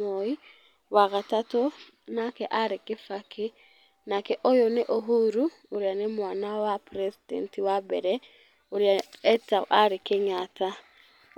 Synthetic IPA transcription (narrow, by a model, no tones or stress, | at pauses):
oi | waɣatato | nakɛʔaɾekefake | nakɛʔojoneʔoɦuɾu | oɾjanemwanawapɾɛsidɛ̰ntiwabɛ̰ɾɛ | oɾjaɛtaʔaɾekeɲata